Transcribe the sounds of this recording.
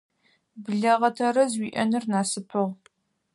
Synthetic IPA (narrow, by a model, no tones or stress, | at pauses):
bɮɐʁɐtʰɐɾɐzwiːʔɐ̰nɨrnaːsɨpʰɨʁ